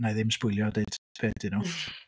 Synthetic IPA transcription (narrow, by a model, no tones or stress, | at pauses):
najðɪmspʊɨlˠjɔdeɨd̥pʰeːdɪnu